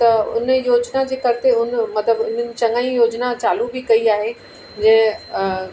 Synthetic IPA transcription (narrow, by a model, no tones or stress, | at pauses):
t̪ɐʊ̰njoːd͡ʑnad͡ʑeːkɐɾɪt̪eɦʊnmɐt̪ləbʊn̤ənɪ̆t͡ɕɐ̃ŋaːĩjoːd͡ʑnat͡ɕaːlubɪkɐiaːɦe | d͡ʑɐ̃ɦɪ̃